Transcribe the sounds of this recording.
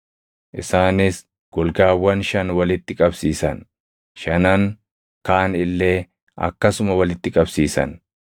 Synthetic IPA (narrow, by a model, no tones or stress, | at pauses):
ʔɪsaːnɪs | ɡ̥ɔlɡaːwːɐnʃɐnwɐlɪt̪ːɪkʼɐbsiːsɐ̰n | ʃɐnɐŋ | kaːnɪlːeː | ɐ̰kːɐsʊmɐwɐlɪt̪ːɪkʼɐbsiːsɐ̰n